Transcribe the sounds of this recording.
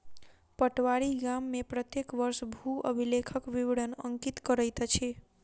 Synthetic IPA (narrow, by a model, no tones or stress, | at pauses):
pəʈʋaɾiɡamːepɾət̪jekʋəɾsbʱuə̰bʱilekʰəkʋiʋeɽənə̰ŋkit̪kəɾəjt̪t͡ʃʰi